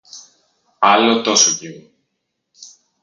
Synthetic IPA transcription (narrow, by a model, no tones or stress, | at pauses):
ɐlot̪osocivu